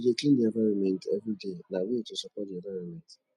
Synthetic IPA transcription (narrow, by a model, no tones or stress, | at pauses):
d͡ʒeklĩndiãvaɾɔmɛ̃ntɛvɾidenabietosɔkɔdiãvaɾɔmɛ̃nt